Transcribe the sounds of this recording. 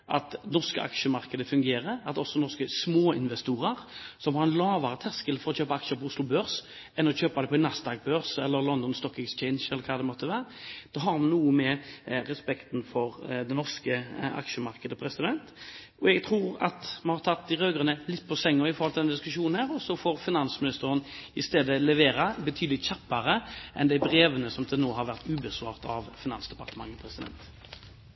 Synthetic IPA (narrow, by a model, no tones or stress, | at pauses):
ʔɑ̰t̪nɔʁskə̰ʔɑ̰kʂəmɑʁkəd̪əfʉŋɡeːɾəɑt̪ɔsːɔnɔʁskəsmoːɪnʋɛst̪uːʁəɾsɔmhɑɾɛnlɑːʋɑɾət̪ʰæskəlfɔɾɔçøːpɑɑkʂəpʰɔʊslʊbøːɾs | ɛnɔçøːpad̪ɛpʰɔɪnɑsd̪ɑːɡ̚bøːɾsɛlːəɾlɔnd̪ɔnst̪ɔkːɛkst͡ʃɛɪnʃɛlːəɾkʰɑːd̪ɛmɔt̪ːəʋæːɾəd̪̥ɛɦɑɾmɑnuːəmɛɾɛspɛkt̪nfɔɾd̪ɛnɔʁskəɑ̰kʃəmɑɾkəd̪əpʰɾɛsɪd̪ɛnt̪ | ɔɛɡt̪ʰʁuːɾɑ̰t̪mɑnhɑɾʁt̪ʰɑt̪̚d̪ɪʁøːɡʁənəlɪt̪ːpʰɔsɛŋːɔɾɪfɔɾhɔlt̪ɪd̪ɛnd̪ɪskʉʃuːnn̩hæːʁɔsɔfoːʁfɪnɑnsmɪnɪst̪əɾənɪst̪eːd̪əlɛʋeːɾɑbət̪ʰyːd̪əlɪt̪çɑpːɑɾəʔɛ̰nd̪æɪbɾeːʋənəsɔmd̪ʰɪlnoːɦɑɾʋæʁt̪ʉːbəsʋɑ̰ːʁt̪ɑ̰ʋfɪnɑ̰nsd̪ɛpɑʁt̪əmɑ̰ŋːəpʰɾɛsɪd̪ɛ̰nt̪